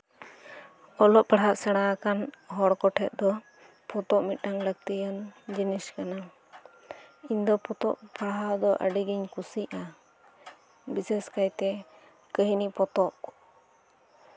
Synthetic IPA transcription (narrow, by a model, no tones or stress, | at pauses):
ɔlɔʔpaɽɦaʔsɛɽ̃akanɦɔɽkɔʈʰɛt̪̚d̪ɔ | pɔt̪ɔʔmit̪̚ʈaŋlək̚t̪ijənd͡ʒiniskana | iɲd̪ɔpɔt̪ɔ̰ʔpaɦaʔd̪ɔʔə̰ɖiɡiɲkusiʔa | bisɛskajt̪ɛ | kəɦnipɔt̪ɔʔ